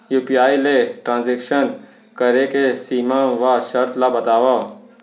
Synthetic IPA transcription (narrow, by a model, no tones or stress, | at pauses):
juːpiaːileʈɾãːnzekʃən | kəɾekesiːmãʋaʃəɾt̪labɐt̪aːʋa